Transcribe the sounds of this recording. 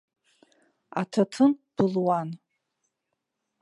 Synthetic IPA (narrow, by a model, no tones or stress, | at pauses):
a̰tʰatʰɨnb̥ɨlwan